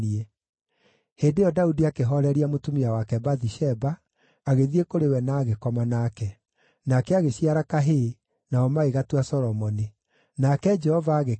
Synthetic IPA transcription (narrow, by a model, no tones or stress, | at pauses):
iɛ | heːdejɔdaudiakeɦɔɾɛɾiamotumiawakɛbaðiʃɛbaː | ɣeðiekoɾewɛnaːɣekɔmanakɛ | nakɛaɣeɕiaɾakaɦe | naɔmaeɣatwasɔɾɔmɔne | nakɛd͡ʒɛhɔvaːɣe